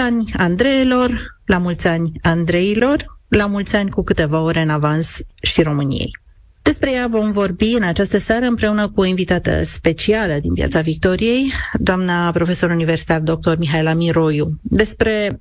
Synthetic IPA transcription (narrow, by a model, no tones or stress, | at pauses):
anʲand̪ɾe̞elo̞rlamult̪sʲanʲand̪ɾe̞ilo̞rlamult̪sʲanʲkukɨt̪e̞vao̞ɾe̞ɨnavansʃiɾo̞mɨnḭjḛj | d̪̥e̞spɾe̞javo̞mvo̞rbiɨnat͡ʃast̪əsaɾəɨmpɾe̞unəkuo̞invit̪at̪ə̰spe̞t͡ʃialəd̪inpja̰t̪savik̚t̪o̞ɾije̞jd̪oamnapɾo̞fe̞so̞ɾuniversit̪ard̪o̞k̚t̪o̞rmiɦaelamiɾo̞jud̪e̞spɾe̞